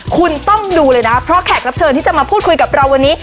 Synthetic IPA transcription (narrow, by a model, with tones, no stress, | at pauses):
kʰu˧nt̪ɔ˥˩ŋduː˧lɤː˧jna˦˥pʰɾɔ˦˥kʰɛː˨˩k̚ɾa˦˥p̚t͡ɕʰɤː˧nt̪iː˥˩t͡ɕa˨˩maː˧pʰuː˥˩ku˧jka˨˩p̚ɾa˧wːa˧nːiː˦˥